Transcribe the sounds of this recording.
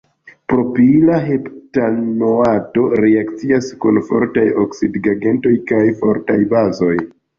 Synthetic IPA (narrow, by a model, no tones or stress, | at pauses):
pɾo̞pilaɦe̞ptanoato̞ɾeakt͡siaskunfo̞̰ɾtajoksidɡaɡe̞nto̞jkajfo̞ɾtajbazo̞j